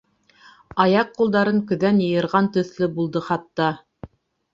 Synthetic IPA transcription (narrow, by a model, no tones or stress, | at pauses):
ɑjɑqːulˠd̪ɑɾɤŋkɵ̆ðænjɤ̆jɤ̆ɾʁɑnt̪ɵ̆θlɘbulˠd̪ɤχɑt̪ːɑ